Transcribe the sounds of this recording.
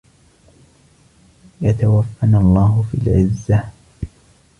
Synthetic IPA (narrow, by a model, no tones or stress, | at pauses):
jat̪awafːanɑlˤːɑːɦʊfḭːlʕɪzːa